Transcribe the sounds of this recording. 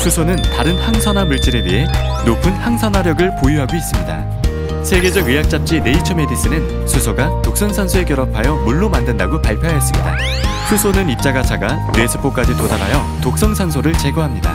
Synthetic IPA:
sʰusʰonɯntaɾɯnhaŋsʰʌnamuɭt͡ɕ͈iɾe̞wiɦe̞ | nopʰɯnhaŋsʰʌnɦaɾjʌɡɯɭpojuɦaɡois͈ɯmɲida̰ | sʰe̞ɡe̞d͡ʑʌɡɯjak̚t͡ɕ͈ap̚t͡ɕ͈ine̞it͡ɕʰʌme̞dis͈ɯnɯn | sʰusʰoɡatok̚s͈ʌŋsʰʌnsʰoe̞k̬͈jʌɾʌpʰajʌmuɭːomandɯndaɡopaɭpʰjoɦajʌs͈ɯmɲida̰ | sʰusʰonɯnip̚t͡ɕ͈aɡat͡ɕʰaɡa | je̞sʰɯ̥p͈ʰok͈ad͡ʑitodaɾa̰jʌ | tok̚s͈ʌŋsʰʌnsʰoɾɯɭt͡ɕe̞ɡʌɦamɲida̰

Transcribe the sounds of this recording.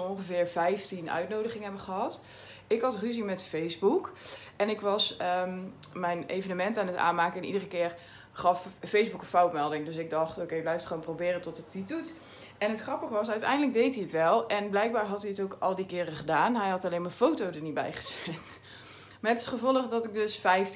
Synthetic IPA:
ɔnχəvɪːɹvɛjftinœ̰ɥtnowdəχɪŋɦɛbəχəɦɑt | ɪkɦɑtryzimɛtfejzbukʔɛnɪkʋɑsəmɛjnejvənəmɛntaːnəta̰ːnmaːkəɪnḭdərəkɪːr | χɑffejzbukəfawtmɛlˠdɪŋdøsɪɡ̚dɑχtokejblɛjftχʋoːnprowbɪːrəntɔttitut | ʔɛnətχrɑpəχəʋɑsœɥtɛ̰jndələɡ̚dejtɦiətʋɛlˠʔɛnblɛjk̚baːɹɦɑtiətowkʔɑlˠdikɪːrəχədaːnɦɛjɦɑtalejnməfowtowdəɹnibɛ̰jχə̥z̥ɪnt | mɛtɪtχəvɔlˠəχdɔtɪk̚dɵsfɛjf

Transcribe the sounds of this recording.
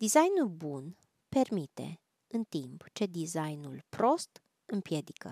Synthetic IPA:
d̪izajnulbun | pe̞rmit̪e̞̰ | ɨnt̪impt͡ʃe̞d̪izajnulpɾo̞st̪ | ɨmpje̞d̪ikə̰

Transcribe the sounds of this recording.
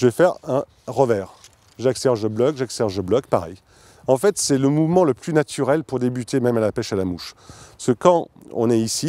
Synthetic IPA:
ʒəvɛfɛʁɛ̃ | ʁəvɛːʁ | ʒaksɛʁʒəblɔkʒaksɛʁʒəblɔkpaʁɛ̰j | ɑ̃fɛt̪sɛləmuvmɑ̃ləplynat̪ʰyʁɛlpuʁd̪ebyt̪emɛmalapɛʃalamuʃsəkɑ̃ɔ̰̃nɛisi

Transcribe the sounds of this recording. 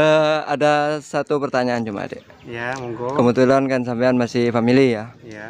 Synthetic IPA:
əa̰dasat̪upərt̪aɲaːnt͡ʃuma̰dɛ̰ | kəbət̪ulankansampaanmasɪhfamilija

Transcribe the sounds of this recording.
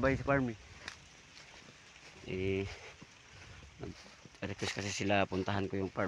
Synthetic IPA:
bajɪsapaɾmɪ | ʔɛ | mɐ̰ɡ | ɾɪkwɛskɐsɪsɪlapʊnt̪aɦankojʊŋpa

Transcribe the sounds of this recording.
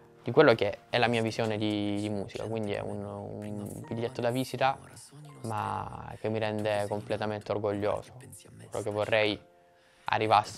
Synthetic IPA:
d̪̥ikwelːok̟eɛlːamiːavizjoːned̪id̪imuːsika̰kwind̪iɛ̰ṵnṵmviʎːet̪ːod̪aviːsit̪a | ma̰k̟emːiɾɛnd̪ekomplet̪ament̪eorɡoʎːo̰ːzo̥lɔ̰kevːorːɛj | a̰rːivas

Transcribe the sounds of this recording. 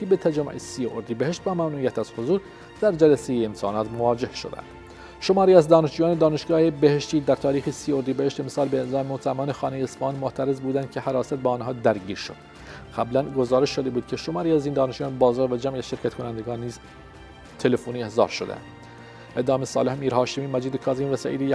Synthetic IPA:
ibet̪ʰæd͡ʒæmːo̰ʔesioɾd̪iːbeheʃt̪væmæmnuːʔijæt̪æz̥hozuːɾ | d̪̥æɾd͡ʒælæsejeːmsʰɑːnɑːt̪movɒːd͡ʒe̞hʃo̞̰d̪æ̰nd̪̥ | ʃo̞mɒːɾiːæzd̪ɒːneʃd͡ʒuːjɑːned̪ɒːneʃɡɒːhebeheʃt̪iːd̪æɾt̪ʰɒːɾiːxesiːoɾd̪iːbeeʃt̪emsɑːlbezːmot̪ʰææmɒːnexɑːnejeːsfɑɑːnmoʔt̪ʰæɾe̞zbuːd̪ænd̪̚cʰehæɾɒːsæt̪̚beɒːnɦɑːd̪æɾɟiːɾʃo̞̰d̪̥ | ɢæblænɡozɒːɾe̞ʃʃod̪ebuːd̪̚cʰe̞ʃomɑːɾiːæzind̪ɒːneʃd͡ʒuːjɑːnbɒːzɒːɾvæd͡ʒæmiæz̥ʃe̞ɾcʰæt̪kʰonænd̪eɡɑːnːiːz | t̪ʰelefoːniːehzɑ̰ːɾʃod̪ḛnd̪ | ed̪ɑːmesɒ̰ːle̞hmiːɾhɑːʃemiːmæd͡ʒiːd̪ekʰɒːziːmvæsæ̰ʔḭːd̪ej

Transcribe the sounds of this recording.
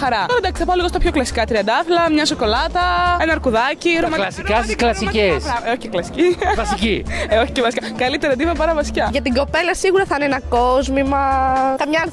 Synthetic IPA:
xɐɾɐt̪oɾɐd̪ɐksi̥θɐpɐoliɣost̪ɐpço̞klɐsi̥kɐt̪ɾiɐnd̪ɐɐflɐmɲɐso̞ko̞lɐt̪ɐenɐɾkuðɐciɾomɐklɐsikɐsisklɐsikesɐoçeklɐsi̥civɐsicioçi̥cevɐsi̥kɐkɐlit̪eɾɐd̪ivɐpɐɾɐvɐsi̥cɐʝɐt̪iɡo̞pe̞lɐsiɣuɾɐθɐinenɐkozmimɐkɐmɲɐ

